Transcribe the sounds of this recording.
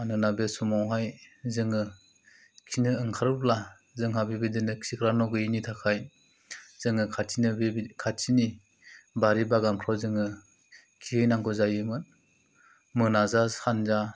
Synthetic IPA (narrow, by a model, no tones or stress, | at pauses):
anɯnabesumawɦajzɯŋɯ | kʰinɯːŋkʰaɾɯpla | zɯŋɦabibidinɯksikʰɾanɔɡɯjinitʰakʰaj | z̥ɯŋɯkʰatʰinɯkʰaini | baɾibaɡamkʰɔwzɯŋɯ | kʰiɯjnaŋɡɔzajɯmɯn | mɯnazahanza